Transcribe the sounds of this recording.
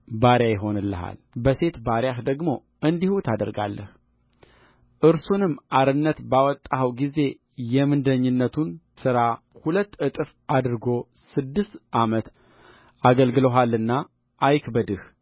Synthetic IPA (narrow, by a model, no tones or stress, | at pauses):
baɾjajɪɦo̞nɨlːə̰ɦa̰l | bəse̞t̪baɾjahd̪əɡmo̞ | ʔɨnd̪ihut̪ʰad̪əɾɡa̰lːə̰h | ʔɨɾsunɨmːʔaɾɨnːət̪bawɔt̪ʼːawɡize̞ | jɛmɨnd̪əɲːɨnːət̪ʰun | sɨɾa | hulət̪ːɨt̪ʼɨf | ad̪ɾɨɡo̞ | sɨd̪ːɨst̪ʔamət̪ | aɡəlɡɨləɦalːɨnːa | ʔːjkbəd̪ɨh